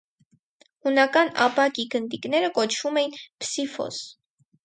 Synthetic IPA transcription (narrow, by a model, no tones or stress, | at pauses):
hunɑkɑnɑ̰pɑkiɡənd̪ikn̪ɛɾəkɔt͡ʃʰvumɛjinpsifɔ̰z̥